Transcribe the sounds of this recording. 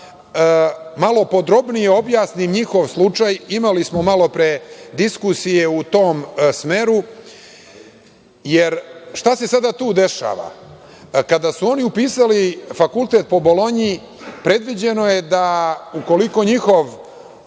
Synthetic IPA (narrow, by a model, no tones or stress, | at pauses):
malo̞po̞d̪ɾo̞bnijeo̞bjaːsnimɲixo̞ʋslˠut͡ʃajimalismo̞malo̞pɾed̪iskusijeut̪o̞ːmsme̞ːɾu | jeɾʃt̪ase̞sad̪at̪uːd̪e̞ʃa̰ːʋa̰ | kad̪asuo̞niupiːsalifakulˠt̪e̞t̪̚po̞bo̞lo̞ɲi | pɾe̞d̪ʋid͡ʑe̞noje̞d̪auko̞liko̞ɲixo̞ʋ